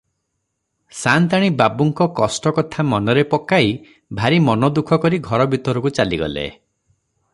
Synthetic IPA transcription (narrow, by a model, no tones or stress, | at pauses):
sant̪aɽ̃ibabuŋkɔkɔsʈɔkɔt̪ʰamɔnɔɾepɔkai | bʱaɾimɔnɔd̪ukʰɔkɔɾiɡʱɔɾɔbʱit̪ɔɾɔkut͡ʃaliɡɔ̰lḛ